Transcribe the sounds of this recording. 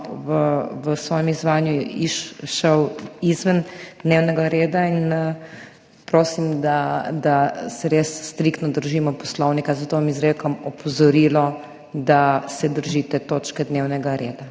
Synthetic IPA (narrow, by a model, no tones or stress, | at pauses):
ʋəʋəsʋɔːjɛmizʋaːnjuiʃʃəwizʋənd̪neːwnɛɡaɾeːd̪ain | pɾoːsimd̪ad̪asɛɾesːt̪ɾikt̪nɔd̪əɾʒiːmɔpɔ̥slɔwnikazɐt̪oʋamizɾekɔmɔpɔzɔɾiːlɔ | d̪asɛd̪əɾʒit̪ɛt̪oːt͡ʃkɛd̪neːwnɛɡaɾeːd̪a